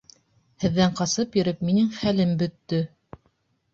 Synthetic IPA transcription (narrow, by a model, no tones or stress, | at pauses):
hɘ̆ðːæɴqɑsɤpjɵ̆ɾɘpminɘŋχælɘmbɵ̆t̪ːɵ